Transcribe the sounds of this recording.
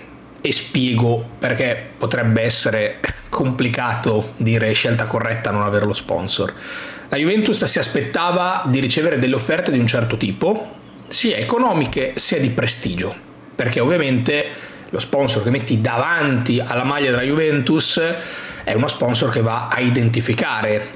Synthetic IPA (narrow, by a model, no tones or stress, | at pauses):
espjɛːɡoperk̟epːot̪ɾɛbːeɛsːeɾekʰomplikaːt̪od̪iːɾeʃːelt̪akorːɛt̪ːanonaveːrlospɔ̰nso̰rlajuvɛnt̪ussiaspet̪ːaːvad̪iɾit͡ʃeːveɾed̪elːeofːɛrt̪ed̪iunt͡ʃɛrt̪ot̪iːpo | siːaekonɔːmikesiːad̪ipɾest̪iːd͡ʒo | perk̟eovːiament̪e | lospɔnsork̟emːet̪ːid̪avant̪ialːamaʎːad̪elajuvɛnt̪us | ɛ̰unospɔnsork̟evːaaid̪ent̪̬ifikaːɾe